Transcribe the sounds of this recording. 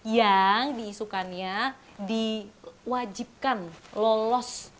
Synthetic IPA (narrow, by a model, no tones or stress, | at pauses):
jaŋdiːsukanɲa | diwad͡ʒip̚kanlolɔs